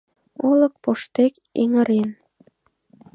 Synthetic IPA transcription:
olək̚poʃt̪ek | ḛŋəɾen

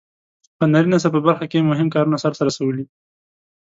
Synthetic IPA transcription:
pənaɾinasap̬əbaɾxakemʊɦɪmkɑɾunasaɾt̪aɾasawəli

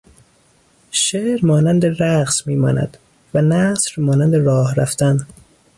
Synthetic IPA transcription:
ʃeːʔɾmɒːnænd̪eɾæqsmiːmɒ̰ːnæ̰d̪̥ | vænæsɾmɒːnænd̪eɾɒːhɾæft̪æn

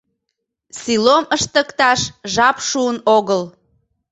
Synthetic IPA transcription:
siloməʃt̪əkt̪ɑʃʒɑpʃuənoɣəl

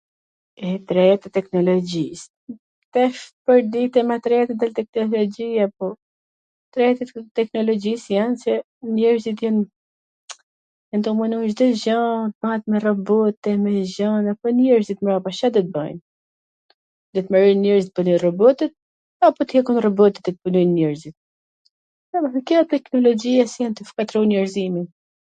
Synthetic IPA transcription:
ɛt̪ɾɛjat̪ɛt̪ɛknɔlɔd͡ʒis | t̪ɛfpəɾd̪it̪ɛmɛt̪ɾɛjat̪ɛd̪alt̪ɛknɔlɔd͡ʒiaapɔ | t̪ɾɛjat̪ɛt̪ɛknɔlɔd͡ʒisjansɛ | nɛɾzit̪jɛn | ɛnd̪ɔmanuʒd̪ɔʒat̪mat̪mɛrɔbɔt̪ɛmɛʒanapɔnjɛɾzit̪mɾapaʃad̪ɔt̪̚ba̰jn | d̪ɔt̪maɾɔjnnjɛɾzit̪̚bunɔjrɔbɔt̪ɛt̪̚ | apɔt̪hɛkunrɔbɔt̪ɛ̥t̪ɛt̪̚bunɔjnnɛɾzit̪̚ | amafikɛat̪ɛknɔlɔd͡ʒiasjant̪əfkat̪ɾɔnjɛɾzimin

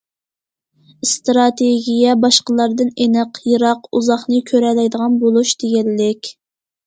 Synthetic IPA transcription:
st̪ɾɑt̪ʰeɡʲijɛbɑʃqəlˠɑɾd̪ɨnenɨqʰjiɾɑquzɑχnɨkʲʰøɾɛlɛjd̪əʁɑnbolˠuʃd̪̥eɡʲɛlːɪkʲ

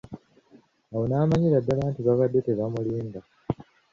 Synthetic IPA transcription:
awonaːmaɲiɾadːalaːntiβaβadːe̞te̞βamuliːmba

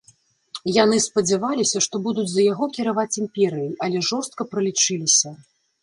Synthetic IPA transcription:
jan̪ɨspɐd͡zʲavalʲisʲɐʂt̪ɔbud̪ud͡zʲzɐjaɣɔkʲiɾavat͡sʲimpʲɛɾɨjiʔɐlʲɛʐɔrst̪̚kɐpɾɐlʲit͡ʂɨlʲisʲɐ

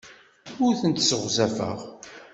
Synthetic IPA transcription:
ʊɾθənt̪səʁzæfə̰ʁ

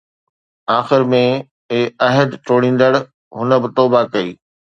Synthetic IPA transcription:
aːxɪɾmẽ | ɐɦəd̪ʈoːɽ̃ĩːn̆d̪əɽ | ɦʊnə̆bɪt̪oːbakɐiː

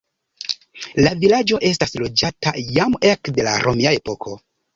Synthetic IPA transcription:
lavilad͡ʒo̞ʔe̞s̬taslo̞d͡ʒatajame̞kde̞la̰ɾʔo̞miaepo̞kʰo̞

